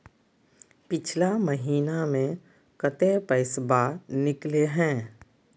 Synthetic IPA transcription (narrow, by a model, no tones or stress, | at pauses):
pɪt͡ʃʰlaməɦiːnamẽ | kət̪epəɪsbanɪkleɦɛ̃ː